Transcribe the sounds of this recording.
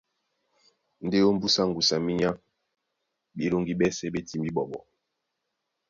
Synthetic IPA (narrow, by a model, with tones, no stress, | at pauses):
n̩˦de˦o˦m̩˦bu˦sa˦ŋɡu˨sa˨mi˦ɲa˦ | bi˨˦lo˦ŋɡi˦ɓɛ˦sɛ˦be˦ti˦mbi˦ɓɔ˨ɓɔ̰˨